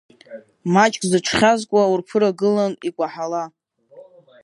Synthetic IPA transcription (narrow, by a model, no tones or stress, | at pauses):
mat͡ʃʼkʼzɨʈ͡ʂʰχʲazkʷʼaurpʰɨɾaɡɨlanikʷʼaħala